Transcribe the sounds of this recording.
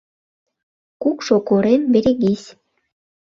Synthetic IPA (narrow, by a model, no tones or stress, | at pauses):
kukʃokoɾenbeɾeɣisʲ